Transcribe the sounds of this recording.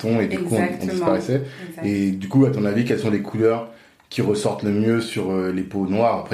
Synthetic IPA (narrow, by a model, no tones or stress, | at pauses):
t̪ɔ̃ed̪ykuɔ̃ɔ̰̃d̪ispaʁɛsɛed̪ykuat̪ɔ̃navikɛlsɔ̃lekʰulœʁ | kʲʰiʁəsɔʁt̪ləmjøsyʁøleponwaʁapχɛ